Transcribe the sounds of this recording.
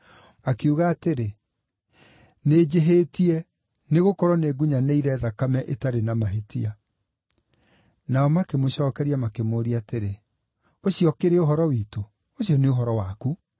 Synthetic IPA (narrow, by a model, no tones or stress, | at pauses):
akiuɣaːteɾe | ned͡ʑeɦetiɛ | neɣokɔɾɔneɡuɲaneiɾɛðakamɛʔetaɾenamaɦetia | naɔmakemoɕɔːkɛɾiamakemoːɾiateɾe | oɕiɔkeɾeoɦɔɾɔwiːto | oɕiɔneoɦɔɾɔwaku